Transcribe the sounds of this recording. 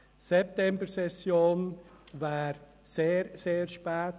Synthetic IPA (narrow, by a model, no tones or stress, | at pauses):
sɛp̚tɛmbəɾsɛsjoːnvaːɾ | seːɾseːɾʃpɛːt